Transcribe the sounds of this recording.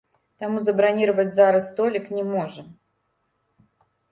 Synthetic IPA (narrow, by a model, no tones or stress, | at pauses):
t̪amuzɐbɾanʲiɾəvət͡sʲzaɾɨst̪olʲɪknʲɪmoʐɨm